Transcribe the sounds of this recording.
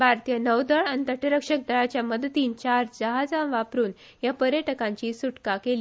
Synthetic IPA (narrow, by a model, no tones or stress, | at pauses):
bʱaɾt̪ijənəwd̪əɭant̪əʈiɾəkʂək̚d̪ʱəɭat͡ɕjaməd̪t̪iːnt͡ɕaɾd͡ʑəɦad͡zãnʋapɾuːn | japəɾjəʈəkãɲt͡ɕiːsuʈkakeliː